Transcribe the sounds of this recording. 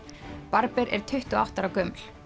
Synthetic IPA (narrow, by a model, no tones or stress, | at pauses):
paɾpɛɾʔɛɾ̥t̪ʰʏht̪ʏa̰wht̪aɾawkœml̥